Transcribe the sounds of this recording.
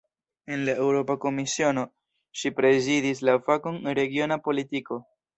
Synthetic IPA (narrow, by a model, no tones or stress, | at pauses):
e̞nlae̞wɾo̞pako̞misio̞no̞ | ʃipɾe̞zidis̬lafakonɾe̞ɡio̞napo̞litiko̞